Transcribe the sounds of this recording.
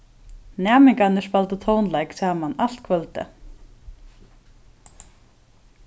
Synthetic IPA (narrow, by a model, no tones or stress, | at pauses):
naːmiŋkanɪspalt̪ʏt̪ʰoːwnlaːjksaːmanal̥t̪̚kʰvœlt̪ɪ̰